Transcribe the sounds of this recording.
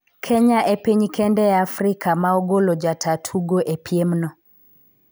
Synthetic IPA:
kʰɛɲaʔepiɲkɛndɛafɾikʰamaoɡolod͡ʒatʰatʰuɡoʔepʰjemnɔ

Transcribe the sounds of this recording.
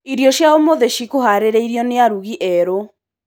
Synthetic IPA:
iɾjɔʃjaomoðeʃikohaɾeɾeiɾjɔneaɾuɣiʔɛɾo

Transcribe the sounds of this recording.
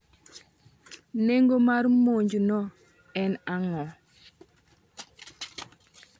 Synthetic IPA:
neŋɡomaɾmoɲd͡ʒnɔ | ɛnaŋɔ

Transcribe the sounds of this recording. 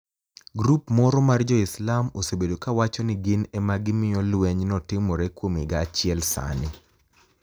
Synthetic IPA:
ɡɾupmɔɾɔmard͡ʒɔɪslamo̰sebedokawat͡ʃɔnɪɡɪnɛmaɡɪmɪjɔlwɛɲnɔtɪmɔɾɛkwomiɡaːt͡ʃɪɛlsa̰nɪ

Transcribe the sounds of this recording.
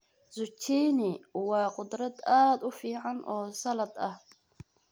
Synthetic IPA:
zʊt͡ʃʰiːnɪwɑːqʊd̪ɾɐd̪aːd̪ʊfiːʕɑnʔɔːsɐlɐd̪ɐh

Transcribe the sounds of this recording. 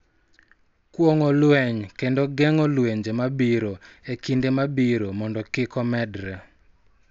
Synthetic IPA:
kwoŋɔlwɛɲkendoɡɛŋɔlweɲd͡ʒemabiɾoekindemabiɾomɔndɔkɪkɔmɛdɾɛ

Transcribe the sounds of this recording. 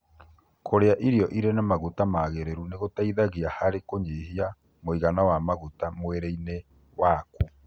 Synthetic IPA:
koɾeaʔiɾiɔʔiɾenamaɣutamaːɣeɾeɾuneɣotaiðaɣeahaɾekoɲeɦia | moiɣanawamaɣutamweɾeine | waːku

